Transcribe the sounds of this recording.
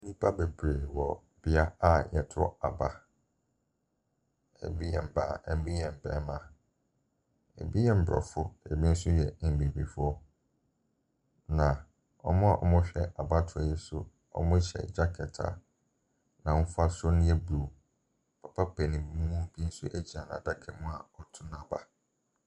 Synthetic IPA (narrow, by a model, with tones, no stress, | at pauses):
nĩ˦pʰa˦be˨bɾe˨wɔ˨ | b̥ɪ˨a˦a˦jɛ˨tʰɔ̰˦a̰˨ba˦ | ɛ̰˨bi˦jɛ̃˨m̩˨ba̰ː˨ɛ˦bi˦jɛ̃˨m̩˨bɛ̰̃˨˦mã˨ | ɛ̰˨bi˦jɛ˨m̩˨bɾɔ̰˨fʊ˦ɛ˨bi˦n̩˦sʊ˦jɛ˨bi˨bi˨fʊ˦ɔ˦ | nã˨ | ɔ̰˦mʊ̃˦a˨ʔɔ̰˨mʊ̃˦ɕᶣɛ˦ʔa˨ba˦tʰʊ˨ɔ˨jɛ˦sʊ̰˦ | ɔ̰˦mʊ̃˦ɕɛ̰˨d͡ʑa˦kʰɛ˨tʰa̰˨ | nã˨mʊ̃˦fʊ˦a˦sɔ˦nɪ̃˦ɛ˦bu˨ | pʰa˨pʰa˦pʰɛ˨nĩ˨˦mũ˦mũ˦m̩˨bi˦n̩˦sʊ̰˦ʔæ˦d͡ʑi˨a˨nã̰˨da˦kʰɛ˨mʊ̃˦a˨ɔ˦tʰʊ̃˦n˨a˨ba˨